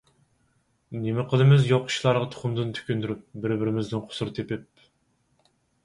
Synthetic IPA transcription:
nemɪqʰəlˠɨmɪzjoqʰːʊ̥ʃlˠɑɾʁɑt̪ʰʊ̥χʊmd̪ɨnt̪ʰy̥kʲynd̪yɾyp̚bɪɾbɪɾɪmɪznɪnqʰʊ̥sʊɾɨt̪ʰepɪp̚

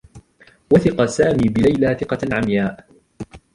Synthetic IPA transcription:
waθɪqɑsaːmiːbɪlajlaːθɪqɑʕamjaːʔ

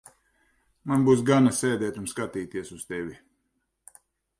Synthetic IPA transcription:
manbuːs̬ɡanasɛːd̪ɛːt̪unskat̪iːt̪iɛsuz̥t̪ɛvʲi

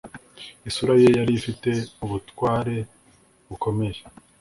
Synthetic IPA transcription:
isuɾajejaɾifite̞uβutwaːɾe̞ | βuko̞me̞je

